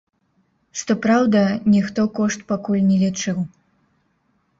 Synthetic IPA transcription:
ʂt̪ɔpɾawd̪ɐnʲixt̪ɔkɔʂt̪pakulʲnʲɛlʲit͡ʂɨw

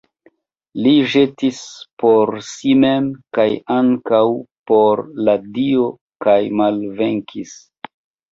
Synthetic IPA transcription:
liʒe̞tispo̞ɾsimemkajaŋkawpo̞ɾladio | kajmalveŋkʰis

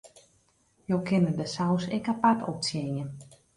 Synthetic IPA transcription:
jowkʰɪnədəsawsɛkapatʰɔp̚sjejən

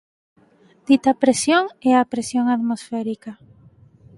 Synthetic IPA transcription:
d̪̥it̪ɐpɾesjoŋeapɾesjoŋat̪mosfɛɾika

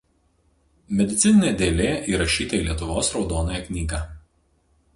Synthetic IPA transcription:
mʲɛd̪ʲɪt̪sʲɪnʲɪnʲeːd̪ʲeːlʲeːʔiːɾɐʃʲiːt̪ɐilʲiɛt̪ʊʋoːsɾɒʊd̪oːnojɛkʲnʲiːɡaː

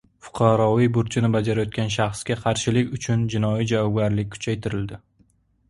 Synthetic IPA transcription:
fʊ̥qʰɑɾɒvijbʊɾt͡ʃʰɪnɪbad͡ʒaɾajɒt̪̚kʲanʃ̬ɑχsɡʲaqʰɑɾʃɪlɪkʲʊt͡ʃʰʊnd͡ʒɪnɒjid͡ʒavɒwɡʲaɾlɪk̚ʲkʰʊ̥t͡ʃʰajt̪ʰɪɾɪld̪ɪ

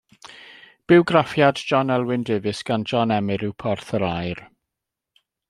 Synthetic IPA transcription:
b̥ɪwɡɾafjadd͡ʒɔnɛlˠwɪndeːvɪsɡ̥and͡ʒɔnɛmɪɾɪwpʰɔrθəɾajr

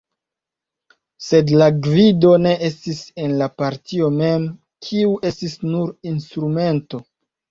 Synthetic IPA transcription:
se̞dlaɡvido̞ne̞ʔestise̞nlapaɾtio̞me̞m | kʰiuʔe̞stisnuɾinstɾume̞nto̞

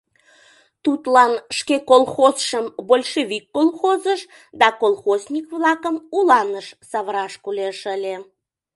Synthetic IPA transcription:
t̪ut̪lɑnʃkekolˠxosʃəmbolʲʃeβikːolˠxozəʃ | d̪ɑkolˠxoznʲikβlɑkəmulɑnəʃsɑβɾɑʃkuleʃəlʲe

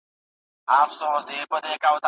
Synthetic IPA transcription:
afʰsɔsɪpʼɔtɛkʼaʊta

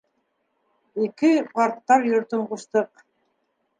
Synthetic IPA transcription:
ikɘpɑɾt̪ːɑɾjŏɾt̪ɵɴquʃt̪ɤq

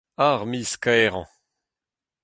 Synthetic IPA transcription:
aʁmiskɛʁɑ̰̃

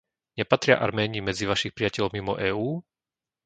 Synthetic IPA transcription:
ɲɛpat̪ɾɪa̰ʔa̰ɾmɛːɲimɛd͡ziʋaʃixpɾiɪacɛʎɔmimɔʔɛːuː

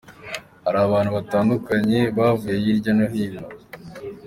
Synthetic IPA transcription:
haɾaːβaːnhuβataːndukaɲeβaːvujejiɾɟanoɦiːno

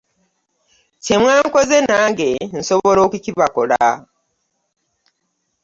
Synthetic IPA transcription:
cemwaːŋkozenaːŋɡen̩soβolo̞ːkuciβakola̰

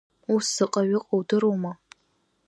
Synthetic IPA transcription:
usɨqʼaɥɪqʼawdɨɾowma

